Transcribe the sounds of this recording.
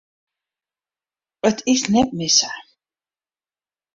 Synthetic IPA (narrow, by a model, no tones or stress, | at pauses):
qʼət̪ʰisnɛpʼmisaʕ